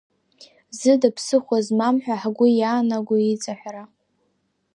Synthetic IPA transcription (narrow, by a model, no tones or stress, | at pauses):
zɨdapʰsɨχʷazmamħʷᶣaħɡʷʊjaːnaɡʷʊit͡sʼaħʷᶣra